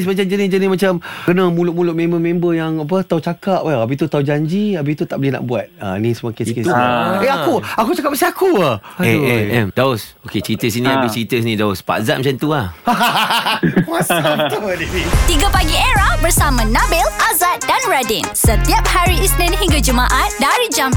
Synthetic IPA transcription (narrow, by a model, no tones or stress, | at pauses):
smat͡ʃamd͡ʒənid͡ʒənimat͡ʃamkənãmulʊʔ̚mulʊʔ̚mẽmbəmẽmbəjaŋap̬ət̪aut͡ʃakaʔ̚waabit̪ut̪aud͡ʒaɲd͡ʒiabit̪ut̪aʔbəlina̰ʔbuat̪̚a̰nĩsəmuakeskesueakuakut͡ʃakap̚masiakuaɛɛɛmdaʊs | oket͡ʃəɾit̪əs̬inĩabit͡ʃɾit̪əs̬inĩdaʊspa̰za̰t̚mat͡ʃant̪uah | ast̪udit̪iɡapaɡieɾahbəɾsamãnãbɪlʔazat̪̚danɹadinsət̪iap̚haɾiisnɛ̃nɦiŋɡad͡ʒumãʔat̪̚daɾid͡ʒam